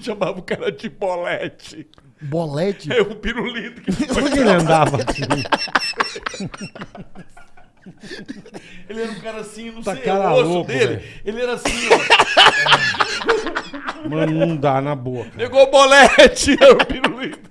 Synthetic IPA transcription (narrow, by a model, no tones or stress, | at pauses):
ʃɐ̃mavɐʊkaɾɐd͡ʒɪbolɛt͡ʃɪ | bolɛt͡ʃɪɛʊpiɾulit̪ʊkɪoɾkeelɪɐ̃nd̪avɐtĩ | elɪɛɾɐũkaɾɐasĩnũt̪aekaɾɐolokd̪elɪelɪɛɾɐasĩ | mɐ̃nnũd̪anɐbokɐeɡobolɛt͡ʃɪɛɾʊpiɾulit̪ʊ